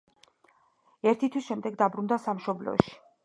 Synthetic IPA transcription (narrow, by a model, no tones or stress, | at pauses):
ɛɾt̪ʰit̪ʰwisʃɛmd̪ɛɡd̪abɾund̪asamʃɔblɔ̰ʃi̥